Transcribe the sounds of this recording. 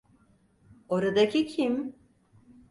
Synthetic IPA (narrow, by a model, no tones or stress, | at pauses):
oɾad̪acʰicʰim